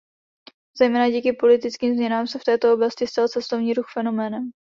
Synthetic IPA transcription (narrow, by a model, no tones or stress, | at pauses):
z̥ɛjmɛːnaɟiːkɪpo̞lɪt̪ɪt͡skiːmzɲɛnaːmsɛft̪ɛːt̪o̞o̞blascɪst̪alt͡sɛst̪o̞vɲiːɾuxfɛno̞mɛːnɛm